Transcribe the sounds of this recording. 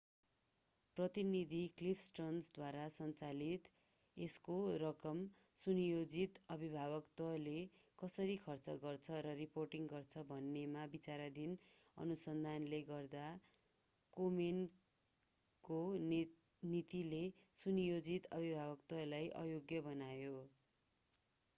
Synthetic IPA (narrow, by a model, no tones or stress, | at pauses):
prʌt̪inid̪ʱiklipʰsʈrʌnsd̪waɾasʌnt͡salit̪ | eskorʌkʌm | sunjod͡zit̪ʌbʱibʱabʌkt̪ʌlekʌsʌɾikʰʌrt͡sʌɡʌrt͡sʰʌɾʌriporʈiŋɡʌrt͡sʰʌbʱʌnːemabit͡saɾad̪inʌ̰nusʌnd̪ʱanleɡʌrd̪a | komen | ko | nit̪ilesunjod͡zit̪ʌ̰bʱibʱabʌkt̪ʌlajʔʌ̰joɡjʌbʌnajo